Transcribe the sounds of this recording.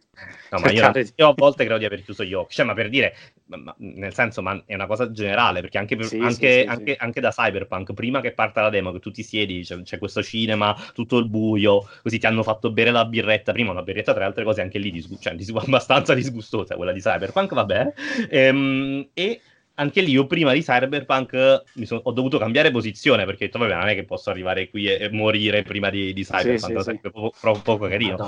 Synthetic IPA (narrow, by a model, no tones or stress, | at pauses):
ɛnɔmaioiːoavːɔlt̪ekɾeːd̪od̪iaverkjuːzoʎːɔkːt͡ʃɛmapːerd̪iːɾe | ma̰nelsɛnsomaɛunakɔːzad͡ʒeneɾa̰ːlepeɾrk̟eaŋkepeaŋkeaŋkeʔaŋked̪asajberpaŋkpɾiːmak̟epːart̪alad̪ɛːmoket̪ːut̪ːisjɛːd̪it͡ʃɛt͡ʃɛkːwest̪ot͡ʃiːnemat̪ut̪ːoilbuːjokozit̪ːianːofat̪ːobɛːɾelabirːɛt̪ːapɾiːmaonabːirːet̪ːat̪ɾealt̪ɾekɔːzeaŋk̟elːid̪izɡut͡ʃoɛ̰d̪izabast̪ant̪sad̪izɡust̪oːza̰kwḛlːad̪isa̰jberpaŋkvabːɛneɛme | aŋkeliiopɾiːmad̪isajrberpaŋkmisonɔd̪ovuːt̪okambjaːɾep̬ozit̪sːjoːneperk̟et̪ːɔvabɛno̰nɛkːepːɔsːoarːivaːɾekwiemːoɾiːɾepɾiːmad̪id̪isa̰jberpaŋksɛmpɾeɔpɾɔpɔːkokaɾiːno